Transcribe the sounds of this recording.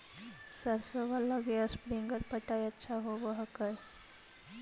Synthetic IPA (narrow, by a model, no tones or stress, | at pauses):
səɾsəʋaləɡeəspɾiŋɡəɾpəʈajətːɕʰaɦobəɦakəj